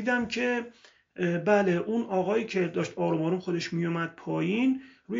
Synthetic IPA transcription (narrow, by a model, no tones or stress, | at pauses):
id̪æmcʲʰe | bæleʔunɒːɣɒːjiːcʰe̞d̪ɒːʃt̪ɒːɾumɒːɾumxod̪e̞ʃmijumæd̪̚pʰɒːjinɾuː